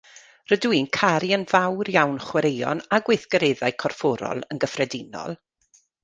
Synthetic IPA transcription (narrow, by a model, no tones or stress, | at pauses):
rədwinkʰaɾiənvawrjawnχwɛɾejɔ̰naɡwejθɡ̥əɾeːðajkʰɔrfɔɾɔ̰lˠənɡəfrɛdɪnɔ̰lˠ